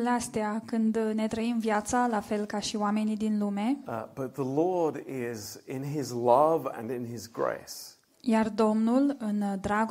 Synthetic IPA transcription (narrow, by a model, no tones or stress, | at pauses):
least̪eakɨnd̪ne̞t̪ɾəimvjat̪salafe̞lkaʃioame̞nid̪inlume̞b̥ʌt̪̚ðəlɔɹɾɪzɪ̃nɪzlʌvə̰̃nɪ̃nɪzɡɹḛɪs | jard̪o̞mnulɨnd̪ɾaɡ